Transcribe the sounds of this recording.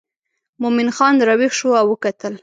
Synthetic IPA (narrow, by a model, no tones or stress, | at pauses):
momɪnxɑnd̪ɾɑwixʃoawəkat̪əl